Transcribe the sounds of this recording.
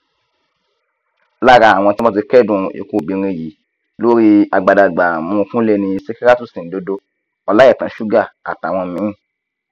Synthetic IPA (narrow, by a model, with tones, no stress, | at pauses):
la˦ɾa˧˦a˨w̃ɔ̃˧ti˦mã˦ti˧kɛ˦dũ˨ḭ˨ku˧˨ɡ͡bi˨˧ɾ̃ĩ˧˨ji˨˦ | lo˦ɾi˧a˨ɡ͡ba˨da˨ɡ͡ba˨mũ˧kũ˦le˦˧nĩ˧se˦ke˦ɾa˦tũ˦˨sĩ˨n̩˨do˧˦do˧ | ɔ˧la˦ɛ˦˨tã˨˦ʃu˦ɡa˦˨a̰˨ta˨w̃ɔ̃˧˨mĩ˨˦˨